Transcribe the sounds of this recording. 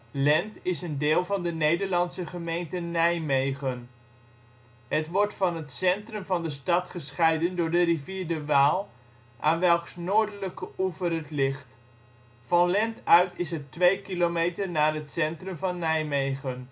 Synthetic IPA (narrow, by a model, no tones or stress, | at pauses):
lɛntɪsəndɪːlˠvɑndənejdəɹlɑnsəχəmejntənɛjmejχən | ɦətʋɔɹtfɑnɦətsɛntrɵmvɑndəstɑtχəsχɛjdəndʊːɹdəriviːɹdəʋaːlˠ | ʔa̰ːnʋɛlˠksnoːɹdələkəuvərɦətlɪχt | fɑnlɛntœɥtɪsətʋejkilomejtəɹnaːɹɦətsɛntrəmvɑnːɛjmejχən